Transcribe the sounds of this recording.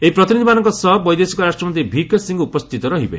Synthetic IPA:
eipɾɔt̪inid̪ʱimanɔŋkɔsɔɦbɔjd̪esi̥kɔɾasʈɾɔmɔd̪ebʱiksiŋɡupɔst̪ʰit̪ɔɾɔɦibḛ

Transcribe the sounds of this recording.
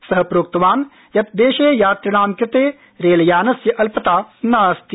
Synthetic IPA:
sɐɦɐpɾoːk̚t̪ɐʋaːn | jɐt̪̚d̪eːʃeːjaːt̪ɾɐɳ̃aːmkɾɪt̪eː | ɾeːljaːnɐsjɐʔɐlpət̪aːnaːɐst̪i

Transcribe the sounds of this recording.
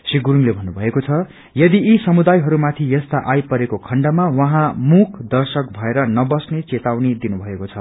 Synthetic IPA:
siɡuɾuŋlebʱʌnːubʱʌekot͡sʰʌ | jʌd̪iːsʌmud̪ajɦʌɾumat̪ʰijʌst̪aʔajpʌɾekokʰʌɳɖʌmawʌɦãmukʰd̪ʌrsʌkbʱʌeɾʌnʌbʌsnet͡set̪awned̪inubʱʌekot͡sʰʌ

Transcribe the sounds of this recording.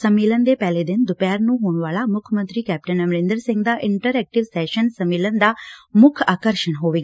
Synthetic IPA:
səmːeːlənd̪eːpɛːleːd̪ɪnd̪ʊpɛːɾnũːɦoːɳʋaːlaːmʊkʰmə̃nt̪ɾiːkɛːp̚ʈənəmɾɪ̃nd̪əɾsɪ̃ŋɡd̪aːʔɪɳʈəɾɛːk̚ʈɪʋsɛːʃənsəmeːlənd̪aːmʊkʰaːkəɾʃənɦoːʋeːɡ

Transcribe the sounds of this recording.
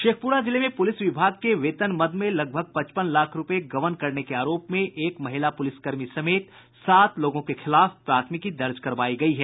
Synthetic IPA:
ʃeːk̚ʰpuːɾazɪlemẽpʊlɪsʋɪbʱaːɡkeʋeːt̪ənmɐd̪mẽlɐɡ̚bʱəɡ̚pɐ̃t͡ʃpənlaːkʰɾʊpəeɡɐʋənkɐɾnekeaːɾoːpmẽʔeːkmɐɦɪlapʊlɪskɐɾmisɐmeːt̪ | saːt̪loːɡõkexɪlaːfpɾaːt̪ʰmɪkid̪ɐɾd͡ʒkɐɾʋaːiɡɐiɦɛː

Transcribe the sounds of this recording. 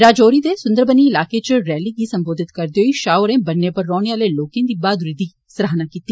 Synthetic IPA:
ɾaːd͡ʒoːɾid̪esʊ̃nd̪əɾbəniɪlaːket͡ʃəɾɛːlikisɐ̃mboːd̪ʱɪt̪kɐɾd̪ijoːiʃaːʋɾẽbɐnːepɐɾːɔːneaːleloːkẽnd̪ibaːd̪ʱuɾid̪i | sɐɾaɦnakiːt̪i

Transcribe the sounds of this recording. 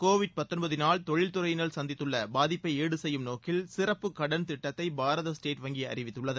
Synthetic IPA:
koːʋɪɖ̚pɐt̪ːɔnbɐðɪnaːlt̪ɔɻɪlt̪ʊrɐɪjnɐlsɐnd̪ɪt̪ːɯɭːɐbaːðɪpːɐɪeːɽɯsɛjːɯmnoːkɪlsɪrɐpːɯkːɐɽɐnt̪ɪʈːɐt̪ːɐɪbaːɾɐðɐsʈeːʈʋɐŋɡɪɐ̰rɪʋɪt̪ːɯɭːɐðɯ

